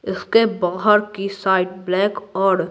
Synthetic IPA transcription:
ɪskebaːɣɦəɾkisaːɪʈ̚blɛːkɔːɾ

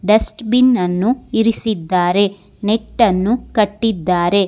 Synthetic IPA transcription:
ɖɐsʈbinːɐnːuiɾisid̪ːaːɾe̞ | neʈːɐnːukɐʈːid̪ːaːɾe̞

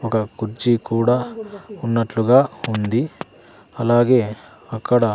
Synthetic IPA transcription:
ɔkɐɡuɾd͡ʒikuːɽaːunːɐʈluɡaːund̪i | ɐlaːɡe̞ː | ɐkːɐɽɐ

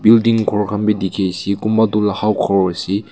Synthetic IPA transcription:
bildiŋkʰɔɾkʰambedikʰejsikumbadulahawkʰawɐsi

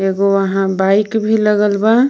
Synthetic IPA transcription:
eɡoəɦãbaikbʱiləɡəlba

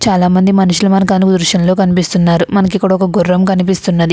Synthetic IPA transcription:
t͡ʃaːlaːmɐnd̪imɐnuʃulɐmɐnɐkaːnikud̪ɾuʃjɐnlo̞ːkɐnipist̪unːaːɾumɐnɐkikːuɽɐɔkɐɡurːɐmkɐnipist̪unːɐd̪i

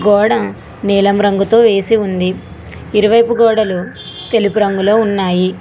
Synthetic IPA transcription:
ɡɔːɽɐ | nɛːlɐmɾɐŋɡut̪o̞ːʋe̞ːsiund̪iː | ɾuʋɐjpuɡɔːɽɐlu | t̪e̞lipuɾɐŋɡulo̞ːunːaːji

